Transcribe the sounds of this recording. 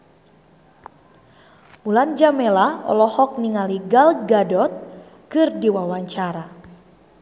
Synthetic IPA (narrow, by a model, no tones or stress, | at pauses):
muland͡ʒamɛlaɔ̰lɔhɔk̚niŋaliɡalɡadɔt̪̚ | kɨrdiwawaɲt͡ʃaɾa